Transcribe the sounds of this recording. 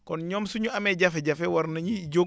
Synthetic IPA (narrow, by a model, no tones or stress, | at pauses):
kɔnɲɔːmsuɲuɐmɛɟɐfɛɟɐfɛwɐɾnɐɲiɟo